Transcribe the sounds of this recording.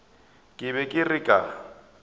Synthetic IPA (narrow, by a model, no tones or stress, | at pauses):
kʼɪβɛkʼɪrɪkʼa